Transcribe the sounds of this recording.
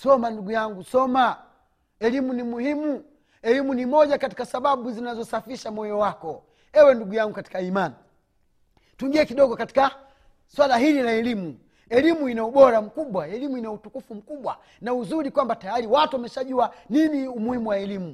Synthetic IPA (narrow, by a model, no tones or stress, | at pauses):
sɔmanduɡujaŋɡusɔma | ɛlimunimuhimu | ɛlimunimɔʄakati̥kasaɓaɓuzinazɔsafiʃamɔjɔwakɔ | ɛwɛnduɡujaŋɡukati̥kaimani | tuiŋɡiɛkiɗɔɡɔkati̥ka | swalaɦililaɛlimu | ɛlimuinauɓɔɾam̩kuɓwaɛlimuinautukufum̩kuɓwa | nauzuɾikwambatajaɾiwatuwamɛʃaʄuaniniumuhimuwaɛlimu